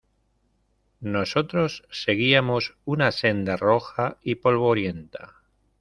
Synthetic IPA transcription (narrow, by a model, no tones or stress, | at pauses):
no̞so̞t̪ɾo̞sːe̞ɣ̞iamosunase̞nd̪aro̞xaipo̞lβ̞oɾje̞nt̪a